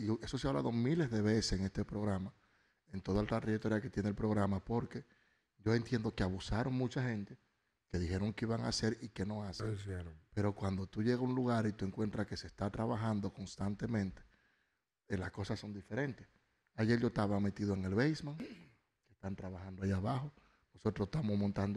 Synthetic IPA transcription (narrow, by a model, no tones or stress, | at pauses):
ie̞so̞seaβla̰ðo̞mile̞zðe̞βe̞seseŋe̞st̪e̞pɾo̞ɣɾama | ent̪oðalt̪ɾat̪ɾeet̪oɾjake̞t̪jenelpɾo̞ɣɾamapo̞ɾke̞ | ʝo̞e̞nt̪je̞nd̪o̞keaβusaɾo̞ŋmut͡ʃaxe̞nt̪e̞ | ke̞ðixe̞ɾo̞ŋkeiβaŋa̰se̞ɾike̞no̞aseŋepe̞ɾo̞kwand̪o̞t̪uʝe̞ɣauŋluɣaɾit̪ue̞ŋkwe̞nt̪ɾake̞se̞st̪at̪ɾaβaxand̪o̞ko̞nst̪ant̪e̞mẽ̞nt̪e̥ | lasko̞sasːo̞nd̪ife̞ɾe̞nt̪e̞s | aʝe̞ɾʝot̪aβame̞t̪iðoeŋe̞lβejsmaŋ | kest̪ant̪ɾaβaxand̪oaiaβaxo̞ | no̞so̞t̪ɾost̪amo̞smõ̞nt̪and̪o